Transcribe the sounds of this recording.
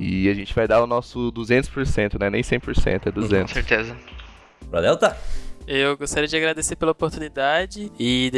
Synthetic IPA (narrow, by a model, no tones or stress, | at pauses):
ɪ̰aʒẽnt͡ʃɪvajd̪aʊnɔsʊd̪uzẽnt̪ʊ̥spoɾsẽnt̪ʊnɛnẽj̃sẽj̃poɾsḛ̃nt̪ʊɛd̪uzẽnt̪seɾt̪ezɐ | bɾalɛwt̪aewɡost̪aɾid͡ʒɪaɡɾad̪eseɾpelɐopoɾt̪unid̪ad͡ʒɪɪ